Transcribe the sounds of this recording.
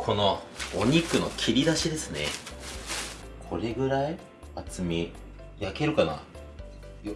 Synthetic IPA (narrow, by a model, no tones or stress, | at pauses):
kʰo̞no̞ːɲ̟ikɯ̟no̞̰kʲʰiɾʲid̪aɕid̪e̞sɨne̞̰ | kʰo̞ɾe̞ɡɯ̟ɾai | at͡sɨmʲi | jake̞ɾɯ̟kana̰